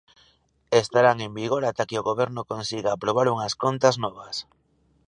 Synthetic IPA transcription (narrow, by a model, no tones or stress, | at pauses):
est̪aɾaŋembiɣoɾat̪akeoɣoβ̞eɾnokonsiɣaːpɾoβ̞aɾuŋaskont̪aznɔβ̞as